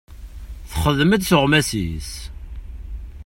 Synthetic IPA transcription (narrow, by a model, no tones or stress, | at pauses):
θχəðməd̪səʁmæsḭs